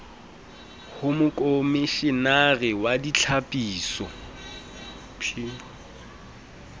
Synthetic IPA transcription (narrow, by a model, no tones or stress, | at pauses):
hʊmʊkʼomiʃɪnarɪwadit͡ɬʰapʼiːsɔ̰ | pʰi